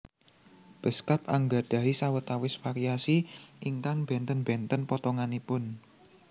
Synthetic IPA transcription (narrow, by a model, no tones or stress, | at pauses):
b̥əskapaŋɡaɖ̥ä̤isawət̪awɪsfaɾiasiʔiŋkaŋb̥ɛnt̪ənbɛnt̪ənpɔt̪ɔŋanipʊn